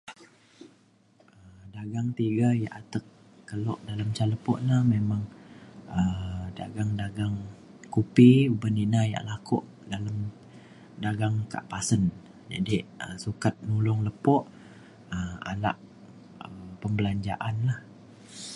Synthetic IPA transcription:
əədaɡaŋt̪iɡaja̰ʔat̪əkː | əlɔʔdalamt͡ʃaləpɔʔlahmemaŋ | əda̰ɡaŋdaɡaŋ | kupiubəninaja̰ʔlakɔ̰ʔ | dalam | daɡaŋka̰ʔpasən | d͡ʒa̰diəsukat̪̚nulʊŋləpɔʔ | əma̰la̰ʔ | əpəmbəlaɲd͡ʒa̰ʔanlah

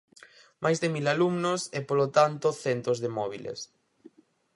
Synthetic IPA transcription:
majzðɪmilalumnosɛpolot̪ant̪ʊθɛnt̪ozðemɔβ̞ilḛs

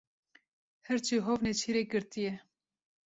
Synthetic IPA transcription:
hɛɾt͡ʃʰiːɦovnet͡ʃʰiɾeːɡɨɾt̪ijɛ

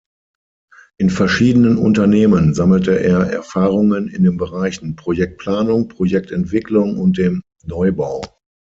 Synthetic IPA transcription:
ʔɪnfɛɐʃiːdənənʊ̰ntɐneːmənzaml̩təʔeːɐʔɛ̰ɐfaːʁʊŋənɪndeːnbəʁaɪçn̩pʁ̥ojɛk̚t̚pʰl̥aːnʊŋpʁ̥ojɛk̚tɛntv̥ɪklʊŋʊnt̚d̥eːm | nɔʏbaʊ

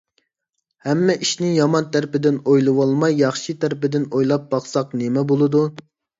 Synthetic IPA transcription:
hɛmːɛʔiʃnɪjɑmɑnt̪ʰæɾpɪd̪ɪnojlˠɨwɑlˠmɑjːɑχʃit̪ʰæɾɪpɪd̪ɪnojlˠɑp̚bɑχsɑqnemɛbolˠɨd̪u

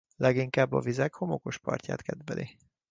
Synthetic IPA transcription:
lʔɛɡiŋkaːbːɒvizɛkho̞mo̞ko̞ʃpɒ̰rca̰ːt̪kɛd̪bɛlʔi

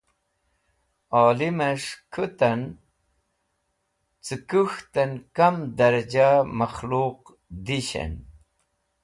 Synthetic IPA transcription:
aːlimɐʂkʰət̪ɐn | t͡sɨkuxt̪ɐnkamd̪ɐɾɐd͡ʑamɐxluq | d̪iɕɐ̰n

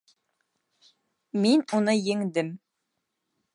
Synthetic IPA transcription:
minunɤjɘ̆ŋd̪ɘm

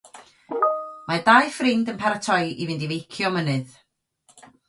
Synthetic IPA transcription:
madajfrɪndənpʰaɾatʰɔjʔivɪndivejkʰjɔmənɨð

